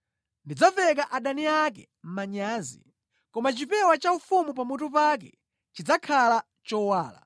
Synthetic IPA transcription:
ndid͡zavɛk̬aʔaɗaniak̬ɛ̰ | m̩maɲaːzḭ | kɔmat͡ʃipɛwat͡ʃaufumupamutupak̬ɛ̰ | t͡ʃid͡zakʰala | t͡ʃɔwaːla̰

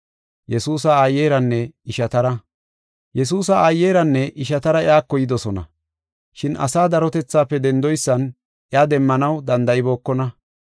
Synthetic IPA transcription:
jɛsuːsaajːeːɾɐnːɛɪʃɐt̪ɐɾɐ | jɛs̬uːs̬ɐajːeːɾɐnːɛʔɪʃɐt̪ɐɾɐjaːkːɔjɪd̪ɔsɔnɐ̰ | ʃɪnʔɐ̰saːd̪ɐɾɔt̪ɛt͡sːaːpːɛd̪ɛnd̪ɔjsːɐn | ʔɪaːd̪ɛmːɐnɐwd̪ɐnd̪ɐʔɪbo̞ːkːɔnɐ

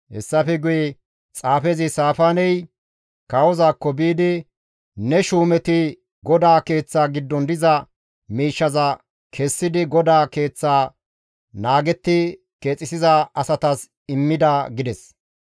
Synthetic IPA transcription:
hɛ̰sːɐfɛɡʊjɛ | t͡sʼaːfezɪsaːfaːnɛj | kɐwɔzaːkːɔbiːd̪ɪ | nɛʃuːmɛt̪ɪ | ɡɔd̪aːke̞ːt͡sːaːɡɪd̪ːɔnd̪ɪzɐ | miːʃːɐzɐ | kʰɛsːɪd̪ɪɡɔd̪aːke̞ːt͡sːaː | naːɡɛt̪ːɪ | ke̞ːt͡sʼːɪsɪzɐɐsɐt̪ɐs | ɪmːɪd̪ɐɡɪd̪ɛs

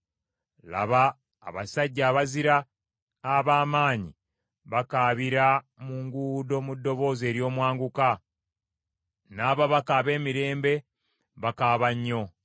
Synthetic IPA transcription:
la̰βa̰ː | βasaɟːaːβaziɾaː | βaːmaːɲḭ | βakaːβiɾa | muŋɡuːdo̞mudːo̞βo̞ːze̞ːɾjo̞ːmwaːŋɡuka | naːβaβakaβe̞ːmiɾe̞ːmbe̞ | βakaːβaɲːo̞

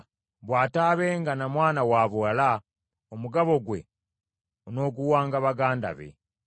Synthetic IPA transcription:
βwaːtaːβeːŋɡanamwaːnawaːβoala | omuɡaβo̞ɡwe̞̰ | ono̞ːkuwaːŋɡaβaɡaːnda̰βe̞̰

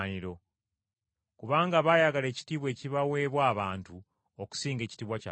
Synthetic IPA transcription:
niɾo̞ | kuβaːŋɡaβajaɡale̞ːci̥tiβwe̞ːciβawe̞ːβwaːβaːntu | oku̥siːŋɡe̞ːci̥tiːβwaca̰

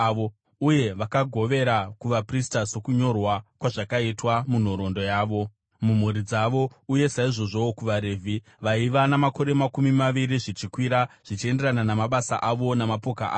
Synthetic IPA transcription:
ʋo | uje̞ʋakaɡʱo̞ʋe̞ɾakuʋapristaso̞kuɲo̞rwakwaʐakaitwamun̤o̞ɾo̞ndo̞jaːʋo̞ | mum̤uɾid͡zaʋo̞uje̞saiʐo̞ʐo̞kuʋaɾe̞ːvʱi | ʋaiʋanamako̞ɾe̞makumimaʋiɾiʐit͡ʃikwiɾaʐ̥it͡ʃie̞nde̞rananamaɓasa̰ʔaʋo̞namapo̞kaʔa̰ː

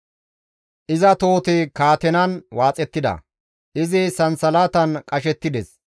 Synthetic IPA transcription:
ʔɪzɐt̪o̞ːt̪ɪkaːt̪ɛnɐnwaːt͡sʼɛt̪ːɪd̪ɐ̰ | ʔɪzɪsɐnsɐlaːt̪ɐnkʼɐʃɛt̪ːɪd̪ɛs

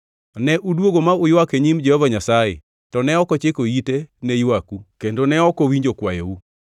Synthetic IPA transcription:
nɛʔudwoɡomaʊjwakeɲimd͡ʒɛhɔvaɲasajḛ | tɔnɛɔkɔt͡ʃekoitenejwakukendonɛɔkɔwiɲd͡ʒokwajḛu

